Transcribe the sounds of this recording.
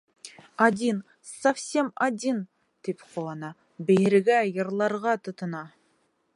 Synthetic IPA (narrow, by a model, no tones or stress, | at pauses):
ad̪ʲin | sɐfsʲe̞mad̪ʲin | t̪ipqʰolˠɑnɑ | bejɪɾɡʲæjɤ̆ɾlˠɑɾʁɑt̪ʰə̆t̪ɤ̆nɑ